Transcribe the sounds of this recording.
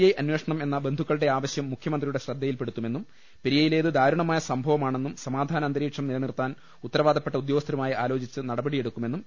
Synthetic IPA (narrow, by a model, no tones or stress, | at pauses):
jɐjʔɐnwe̞ːʂɐɳɐme̞nːɐbe̞nd̪ʱukːɐɭɽe̞aːʋɐɕjɐmːukʰjɐmɐnd̪rijuɽe̞ɕrɐd̪ːɐjilpe̞ɽut̪ːume̞nːum | piɾijɐjile̞ːðɨd̪ʱaːɾuɳɐmaːjɐsɐmbʱɐʋɐmaːɳe̞nːumsɐmaːd̪ʱaːnɐɐnd̪ɐɾiːkʂɐmnilɐnirt̪aːn | ut̪ːɐɾɐʋaːd̪ʱɐpːe̞ʈːɐud̪joːɡɐst̪ʰɐɾumaːjiaːlo̞ːt͡ɕit͡ɕːɨnɐɽɐbɐɽije̞ɽukːume̞nːum